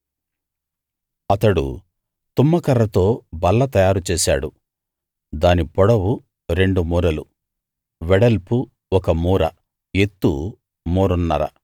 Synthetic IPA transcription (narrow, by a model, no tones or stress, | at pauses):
ɐt̪ɐɽṵ | t̪umːɐkɐrːɐt̪o̞ːbɐlːɐt̪ɐjaːɾut͡ʃeːsa̰ːɽu | d̪aːnipɔɽɐwu | ɾe̞ɳɖumuːɾɐlu | ʋɛɽɐlpu | ɔkɐmuːɾɐ | e̞t̪ːṵ | muːɾunːɐɾɐ̰